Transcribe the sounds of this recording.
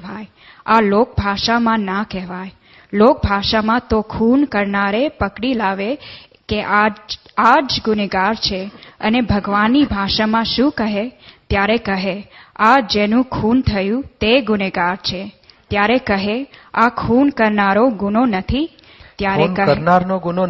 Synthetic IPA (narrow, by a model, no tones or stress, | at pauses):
ʋaj | alok̚bʱaʃamãnakɛɦʋaj | lok̚bʱaʃamãt̪okʰunkəɾnaɾepəkɽilaʋe | keʔad͡ʒad͡ʒɡʊneɡaɾt͡ʃʰeə̰nebʱəɡʋanːibʱaʃamãʃũkəɦet̪jaɾekəɦead͡ʒenũkʰunt̪ʰəjũt̪eɡʊneɡaɾt͡ʃʰet̪jaɾekəɦeakʰunkəɾnaɾoɡunonət̪ʰi | t̪jaɾekəəɾnaɾnoɡuno